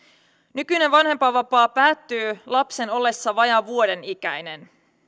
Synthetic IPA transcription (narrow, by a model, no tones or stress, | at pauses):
nykyne̞ʋʋɑnhe̞mpɑʋɑpɑːpæːt̪ːyːlɑpse̞no̞lːe̞sːɑʋɑjɑʋuo̞de̞nikæ̰jne̞n